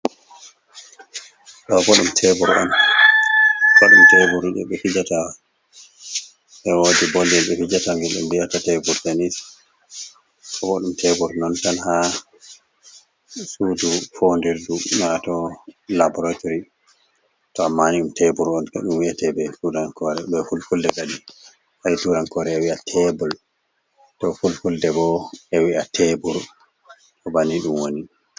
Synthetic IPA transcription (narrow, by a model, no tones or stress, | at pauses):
ɗɔbɔɗumtʰɛbɔɾʔɔ̰n | kɔɗumtɛbuɾiɗɛ̰ɓɛfid͡ʒata | ɓɛwodibolːɛlɓɛfid͡ʒataŋɡɛlɗɛ̰mbijatatɛbɔɾtanis | kɔbɔɗumtʰɛbɔɾnɔntanha | sudufondiɾdumatɔlabɔɾatoɾi | tɔamːaniɗumtɛbuɾɔnaɗumwiatɛbɛtuɾankɔɾɛbɛfulfuldɛɡadi | haituɾankɔɾɛːwiatʰɛbɔl | tɔfulfuldɛbɔɛwiatʰɛbuɾ | tɔbaniɗumwoni